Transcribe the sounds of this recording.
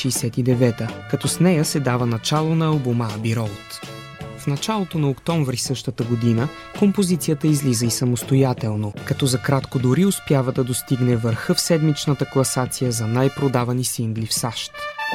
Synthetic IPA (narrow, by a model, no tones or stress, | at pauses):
ʃijsɛt̪id̪ɛvɛt̪əkɐt̪ɔsnɛjəsɛd̪avənɐt͡ʃalˠonɐːlˠbuməːbiɾɔlˠt̪ | fnɐt͡ʃalˠot̪onɐokt̪ɔɱvɾisɤʃt̪ət̪əɡod̪inə | kompozit̪sijət̪əizlizəisɐmost̪ojat̪ɛlˠnokɐt̪ɔzɐkɾat̪kod̪ʊɾiʊspjavəd̪ɐd̪ost̪iɡnɛvəɾxəfsɛd̪mit͡ʃnət̪əklˠɐsat̪sijəzɐnajpɾod̪avɐnisiŋɡlifsaʃt̪